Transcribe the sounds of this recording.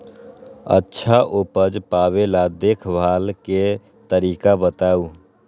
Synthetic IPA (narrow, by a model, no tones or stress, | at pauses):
ə̰tːʃʰaʔopəd͡ʒpaːbelad̪eːkʰbʱaːlke | t̪əɾiːkabət̪aːu